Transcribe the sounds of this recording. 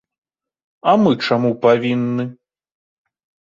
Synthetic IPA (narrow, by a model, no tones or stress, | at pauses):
ɐmɨt͡ʂamupavʲinːɨ